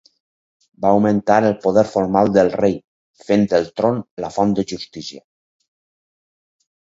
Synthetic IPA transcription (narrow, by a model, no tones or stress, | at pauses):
bawment̪aɾelpoðɛɾfoɾmalˠd̪əlˠrej | fend̪elˠt̪ɾonlafɔnd̪əʒust̪isia